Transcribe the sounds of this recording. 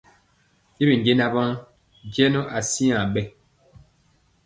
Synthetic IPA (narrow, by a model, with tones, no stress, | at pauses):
i˦bi˨ŋ˨ɡe˦na˦ba˦ŋ | d͡ʒjɛ˦no˦ʔa˨si˦ã˨ɓɛ˦